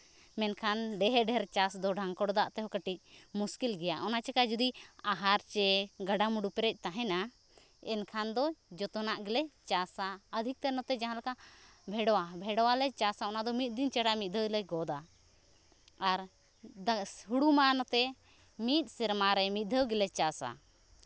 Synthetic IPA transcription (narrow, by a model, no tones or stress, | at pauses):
mɛnkʰanɖɛɦɛɖɛɾt͡ʃasd̪ɔɖʱaŋkɔɽd̪aʔt̪ɛɦɔkəʈic̚ˀmuskilɡɛjaʔɔnat͡ʃɛkad͡ʒud̪iaɦaɾt͡ʃɛɡaɖamuɖupɛɾɛc̚ˀt̪aɦɛ̃na | ɛnkʰand̪ɔd͡ʒɔt̪ɔnaʔɡɛlɛt͡ʃasaəd̪ʱik̚t̪ɛɾnɔt̪ɛd͡ʒãɦãlakabʱɛɽɔwabʱɛɽɔwalɛt͡ʃasaɔnad̪ɔmit̪̚ˀd̪int͡ʃɛɽamit̪̚ˀd̪ʱəwlɛɡɔd̪a | ɾ | d̪aɦuɽumanɔt̪ɛ | mit̪̚ˀsɛɾmaɾɛmit̪̚ˀd̪ʱəwɡɛlɛt͡ʃasa̰